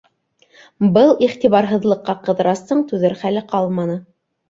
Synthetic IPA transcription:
bɤlˠiχt̪iβɑɾɦɤ̆ðlˠɤ̆qːɑqɤ̆ðɤ̆ɾɑst̪ɤɴt̪ʉðɘɾχælɘqɑlˠmɑnɤ

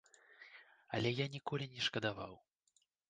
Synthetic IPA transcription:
ɐ̰lʲɛjanʲikɔlʲinʲɛʂkɐd̪ava̰w

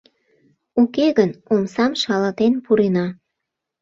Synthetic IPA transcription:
ukeɣənomsɑmʃɑlɑt̪enpuɾenɑ

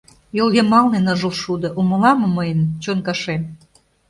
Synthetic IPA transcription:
jolɣemɑlnenɤ̆ʒə̆lʃud̪ɤ̆ʔumɤ̆lɑmɤ̆məjənt͡ɕonkɑʃem

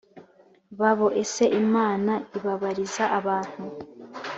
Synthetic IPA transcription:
βaβo̞ʔe̞se̞ʔimaːnaiβaβaɾizaʔaβaːn̥hu

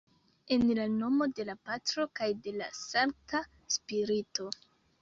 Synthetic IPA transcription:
e̞nlano̞mo̞de̞lapatɾo̞kajde̞la̰saŋk̚ta | spiɾito̞

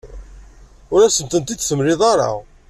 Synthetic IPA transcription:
ʊɾæsənt̪ənt̪id̪θəmɾɪðˤɑɾˤɑ̰

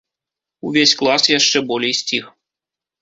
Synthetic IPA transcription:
uvʲesʲklˠasjaʂt͡ʂɛbɔlʲejsʲt͡sʲix

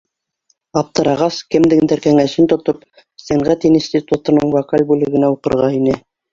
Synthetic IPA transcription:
ɑp̚t̪ɤ̆ɾɑʁɑskɘ̆md̪ɘŋnd̪æɾkæŋæʃɘnt̪ŏt̪op | sæɴʁæt̪insʲt̪ʲit̪ut̪ɤ̆nɤɴvokalʲbʉlɘ̆ɡɘ̆næuqɤ̆ɾʁɑinɘ

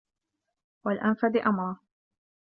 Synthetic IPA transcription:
walʔanfad̪ɪʔamɾˤɑ

